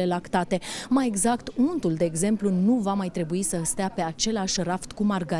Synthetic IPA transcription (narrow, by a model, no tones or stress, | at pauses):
e̞lakt̪at̪e̞maje̞ɡzakt̪unt̪uld̪e̞ːɡze̞mplunuvamajt̪ɾe̞buisəst̪eape̞at͡ʃe̞laʃʲraft̪kumarɡa